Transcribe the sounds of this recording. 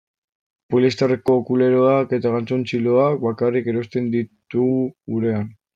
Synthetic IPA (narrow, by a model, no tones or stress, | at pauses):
polist̪arekoːkule̞ɾo̞ake̞t̪aɣant͡so̞nt͡ʃilo̞ak̚bakarike̞ɾo̞st̪e̞nd̪it̪uɣuɣuɾe̞an